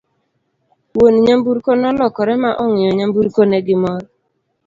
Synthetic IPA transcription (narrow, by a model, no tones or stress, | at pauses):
woniɲambuɾkonɔlɔkɔɾɛmaʔɔŋɪjɔɲambuɾkoneɡɪmɔɾ